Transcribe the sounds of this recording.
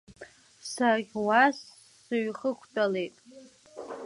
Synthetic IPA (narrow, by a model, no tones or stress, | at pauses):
saʁʲwasː | ɨɥχəkʷʰtʼalejtʼ